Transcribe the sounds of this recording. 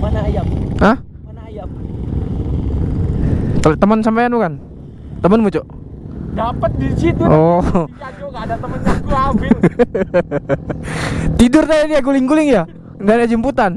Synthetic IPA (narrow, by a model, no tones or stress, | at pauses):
manajaməh | mnajam | t̪ət̪əmənsampajandukan | t̪əmənmut͡ʃɔʔ | dapət̪̚disit̪uɔad͡ʒoŋadat̪əməat̪uabi | t̪idʊrt̪adadiak̬ulɪŋkulɪŋja | dadad͡ʒimput̪an